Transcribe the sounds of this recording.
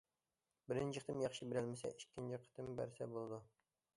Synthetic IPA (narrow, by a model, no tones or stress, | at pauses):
bɪɾɪnt͡ʃʰiqʰət̪ʰɨmjɑχʃibɪɾælmɪsɛ̰ʔikʲːɪnt͡ʃʰiqʰə̥t̪ɨmbæ̰ɾsɛbolˠd̪u